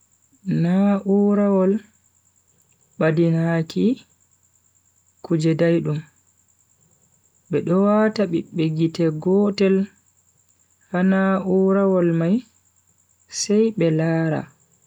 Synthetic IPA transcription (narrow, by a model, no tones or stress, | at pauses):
naʔuɾawɔl | ɓadinhaki | kud͡ʒɛdajɗum | ɓɛɗɔwataɓiɓːeɡitɛɡɔtɛl | hanauɾawɔlmaj | sɛjɓɛlaːɾa̰